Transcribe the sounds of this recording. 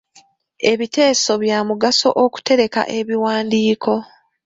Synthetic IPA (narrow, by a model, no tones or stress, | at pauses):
e̞βite̞ːso̞βjaːmuɡaso̞̰ʔoku̥te̞ɾe̞ka̰ʔe̞βiwaːndiːkʰo̞